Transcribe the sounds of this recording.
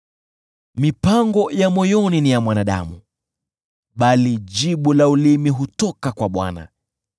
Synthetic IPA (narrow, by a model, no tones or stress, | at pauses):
mipaŋɡɔjamɔjɔninijamwanaɗa̰mṵ | ɓaliʄiɓulaulimiɦutɔkakwaɓwa̰na̰